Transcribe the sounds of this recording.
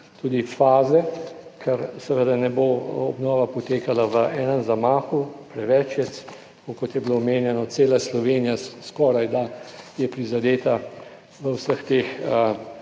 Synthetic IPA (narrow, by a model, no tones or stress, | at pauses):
t̪uːd̪ifaːzɛkʰɛɾsɛʋəd̪anɛboɔbnɔːʋapɔt̪eːkalaʋəʔɛːnənzamaːxupɾɛʋɛt͡ʃjɛs | kokɔt̪jɛbiloːmeːnjɛnɔt̪seːlaslɔʋeːnijaskɔːɾajd̪ajɛpɾizad̪eːt̪a | ʋəwsəxt̪exə